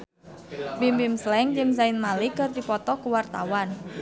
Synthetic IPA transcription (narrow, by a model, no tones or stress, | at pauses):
bimbimslɛŋd͡ʒəŋsaɪnmalikərd̪ipɔt̪ɔkuwart̪awan